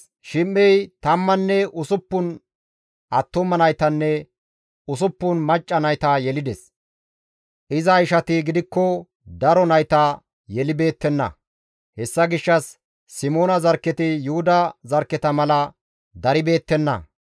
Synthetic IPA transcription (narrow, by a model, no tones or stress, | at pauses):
ʃɪmːɛjt̪ɐmːɐnːɛʔʊsʊpːʊn | ʔɐt̪ːɔmɐnɐjt̪ɐnːɛ | ʊsʊpːʊnmɐt͡ʃʼːɐnɐjt̪ɐjɛlɪd̪ɛs | ʔɪzɐɪʃɐt̪ɪɡɪd̪ɪkːɔ | d̪ɐɾɔnɐjt̪ɐ | jɛlɪbe̞ːt̪ːɛnːɐ̰ | hɛsːɐɡɪʃːɐsː | ɪmoːnɐzɐɾkːɛt̪ɪjʊhʊd̪ɐzɐɾkːɛt̪ɐmɐlɐ | d̪ɐɾɪbe̞ːt̪ːɛnːɐ̰